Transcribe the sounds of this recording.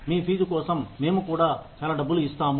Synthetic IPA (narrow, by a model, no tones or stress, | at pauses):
miːpʰiːd͡ʒukɔːsɐmːe̞ːmukuːɽaːt͡ʃaːlɐɖɐbːuluist̪aːmu